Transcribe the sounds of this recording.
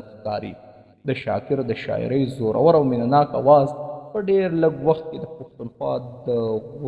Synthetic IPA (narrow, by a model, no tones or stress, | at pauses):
kɑɾḭ | d̪əʃɑ̰kɪɾd̪əʃɑ̰ɪ̰ɾəjzoɾa̰wəɾawmɪnanɑkawɑzpəɖeɾləɡwaxt̪̚ked̪əpaxt̪unxwɑ̰d̪əɣ